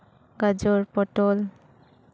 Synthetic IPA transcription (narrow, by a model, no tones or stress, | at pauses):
ɡad͡ʒɔɹpɔʈɔl